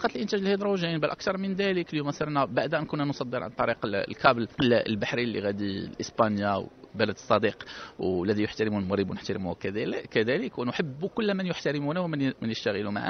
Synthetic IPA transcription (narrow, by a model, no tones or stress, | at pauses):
ɑqɑt̪əlʔənt̪æʒəlhid̪ɾˤɑʒinbælʔæk̚t̪ɑɾˤmənd̪æləkljumæsˤəɾˤnæbaʕd̪ʔænkunːænsˤɑd̪ːəɾˤʕa̰nt̪ˤːɑɾiqlkæbləllbaħɾilːḭɣæd̪ilʔəsbɑnjawbæləd̪əsˤːɑd̪iqwlːæd̪ijʊħt̪æɾəmunmʊɣɾibunəħt̪aɾəmuhkkːæd̪æləkwənʊħəbːkʊlːmənjʊħt̪aɾəmunæwmnmənjəʃt̪æɣəluma̰ʕa̰